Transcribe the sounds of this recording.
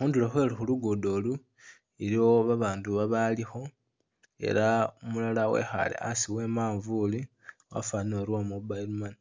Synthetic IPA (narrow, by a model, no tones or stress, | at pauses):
xuːndiloxwelexuluɡodo̞lu | iɾioβaβaːnduβaβalixo̞ | e̞̰ɾaumulalawe̞̰xa̰lḛʔasiwe̞maːɱvuliwa̰fanoɾwamubaiɾumani